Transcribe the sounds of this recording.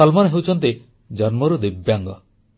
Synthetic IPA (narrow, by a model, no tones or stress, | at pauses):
ɔlmɔnɦewt͡ʃʰɔnt̪i | d͡ʒɔnmɔɾud̪ibjaŋɡɔ